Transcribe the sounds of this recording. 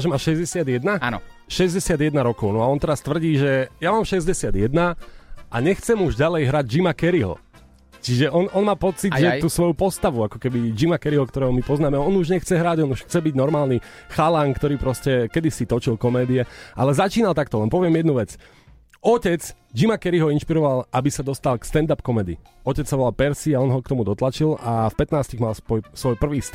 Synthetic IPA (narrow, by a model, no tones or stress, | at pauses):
ʒɛmaːʃɛzɟɛsɪad̪jɛd̪naa | ʃɛzɟɛsɪad̪jɛd̪naɾɔkɔʊnɔaɔnt̪ɛɾast̪ʋr̩ɟiːʒɛjamaːmʃɛzɟɛsɪad̪jɛd̪naʔa̰ɲɛxt͡sɛmuʒɟalɛjɦɾaɟ̚d͡ʒimakɛɾiɦɔ̰ | t͡ʃiʒɛʔɔnɔnmaːpɔt͡siɟʒɛt̪uːsʋɔjupɔst̪aʋuakɔ̥kɛbid͡ʒimakɛɾiɦɔkt̪ɔɾɛːɦɔmipɔznaːmɛɔnuʒɲɛxt͡sɛɦɾaːɟɔnuʃxt͡sɛbiɟnɔɾmaːlˠni | xalaːŋkt̪ɔɾiːpɾɔscɛkɛd̪isit̪ɔt͡ʃilkɔmɛːd̪iɛʔa̰lɛzat͡ʃiːnalˠt̪akt̪ɔlɛnpɔʋɪɛmjɛd̪̚nuʋɛt͡s | ɔcɛt͡s | d͡ʒimakɛɾiɦɔinʃpiɾɔʋalabisad̪ɔst̪alkst̪ɛnd̪apkɔmɛːd̪ḭ | ɔcɛt͡ssaʋɔlapɛɾsiaɔnɦɔk̚t̪ɔmud̪ɔt̪lat͡ʃilʔafpɛt̪naːsc̪iɣmalsɔjsʋɔjpr̩ʋiːst̪